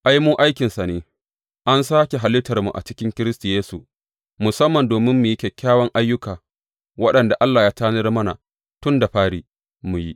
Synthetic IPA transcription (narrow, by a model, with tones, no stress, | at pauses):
ʔa˦jmuː˦ʔa˦jkʲɪ˨nsa˨neː˨ | ʔa˦nsaː˦kʲe˨ɦa˨lɪ˦tɐ˨rmṵ˨ʔa̰˨t͡ʃɪ˦kʲɪ˦ŋkʲɪ˦ɾɪ˦sti˨jeː˦sṵ˨ | mʊ˨sɐ˦mːɐ˨ndoː˨mɪ˦mːu˨ji˦kʲɛ˨kʲːaː˦wɐ˦ŋʔa˦jːʊ˦kaː˨ | wɐ˦ɗɐ˨nda˨ʔa˦lːaː˨jaː˦taː˦nɐ˦rmɐ˦na̰˨ | tʊ˦nda˨ɸaː˦ɽiː˨ | mu˨ji˦ʔ